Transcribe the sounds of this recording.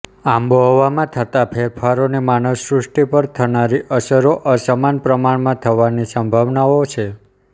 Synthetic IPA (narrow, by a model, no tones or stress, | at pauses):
amboɦɔʋamãt̪ʰət̪apʰeɾpʰaɾonemanəwsɾusʈipəɾt̪ʰənaɾiʔəsəɾoʔəsəmanpɾəmaɽmãt̪ʰəʋanisəmbʱaʋnaot͡ʃʰe